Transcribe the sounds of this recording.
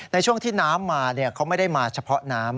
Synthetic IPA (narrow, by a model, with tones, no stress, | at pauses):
na˧jt͡ɕʰu˥˩əŋt̪ʰiː˥˩naː˦˥mːaː˧ni˥˩ɐkʰa˦˥wma˥˩jda˥˩jmaː˧t͡ɕʰa˧pʰɔ˦˥naː˦˥m